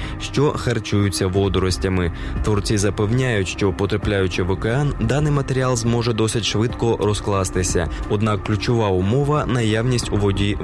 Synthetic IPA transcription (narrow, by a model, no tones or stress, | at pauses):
ʃt͡ʃɔxɐrt͡ʃujʊt͡sʲːɐʋɔd̪ɔɾɔsʲtʲɐmɪt̪ʋɔrtt͡sʲizɐpewnʲajʊtʲʃt͡ʃɔpɔt̪ɾɐplʲajʊt͡ʃɪʋɔkeɑnd̪ɑnɪjmɐt̪eɾʲialˠzmɔʒɛd̪ɔsʲɪtʲʃʋɪd̪kɔɾɔsklˠɑst̪ɪsʲɐ̰ɔd̪nɑkːlʲʊt͡ʃɔʋɑʊmɔʋɐnɐjawnʲisʲtʲuʋɔdʲi